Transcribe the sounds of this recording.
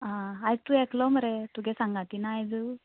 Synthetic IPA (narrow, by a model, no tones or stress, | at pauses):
ãaj̚t̪uɛkʰlɔməɾet̪uɡɛsaŋɡat̪inaːjd̪u